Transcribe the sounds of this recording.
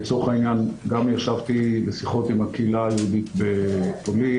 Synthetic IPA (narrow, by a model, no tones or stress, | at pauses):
t͡soχainjanɡamjaʃavt̪ilesiχo̞t̪imhakiːlajeud̪it̪betoli